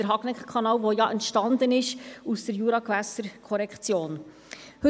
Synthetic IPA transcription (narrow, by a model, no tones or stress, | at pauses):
d̥əɾɦɑɡnɛkχkʰɑnɑːlʋojɑʔɛntʃtɑnd̪ənɪʃusd̥əɾjuɾɑkʋæsəɾkʰɔɾɛkχt͡sjoːn | hɵ